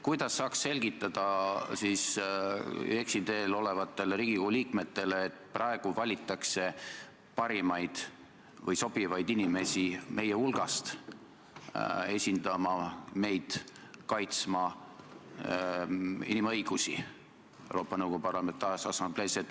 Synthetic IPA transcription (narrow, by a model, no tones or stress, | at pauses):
kujd̪̥ɑsːɑːksse̞lʲɡ̥it̪ːˑɑd̪̥ɑsiːs | eksid̪e̞ːlo̞le̞vɑt̪ːˑe̞lɾiːɡ̥ikouliːkme̞t̪ːe̞leːt̪ːˑprɑeɡ̥uvɑlʲit̪ˑːɑkse̞ | pɑɾimɑjd̪̥ | vɤjso̞b̥ivɑjd̪inime̞simʔe̞jeulɡ̥ɑst̪ | e̞sʲind̪ɑmɑme̞jd̪̥kɑjt̪smɑ | inimɤjɡ̥usḭ | ewɾo̞ːpːˑɑnɤwɡ̥o̞upɑrlɑment̪ɑsɑsɑmble̞ːset̪